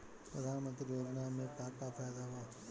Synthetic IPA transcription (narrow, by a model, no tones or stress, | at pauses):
pɾəd̪ʱaːnmənt̪ɾiɾoːd͡ʒnamẽkaːkapʰɛjd̪aʋa